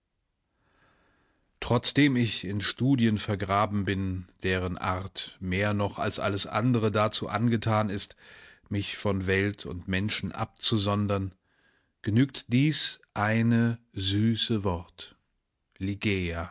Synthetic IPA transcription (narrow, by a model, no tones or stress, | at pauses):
tʁ̥ɔt͡sd̥eːmɪçɪnʃtuːdjənfɛɐɡʁaːbm̩bɪnd̥eːʁ̞ənʔa̰ɐtmeːɐnɔχa̰lsʔa̰ləsʔa̰ndəʁ̞ədat͡sṵːʔanɡətʰaːnɪstmɪçfɔnvɛltʰʊ̰ntmɛnʃn̩ʔa̰p̚t͡suzɔndɐn | ɡ̥ənyːktd̥iːsʔaɪnə | zyːsəvɔʁt | liɡeːa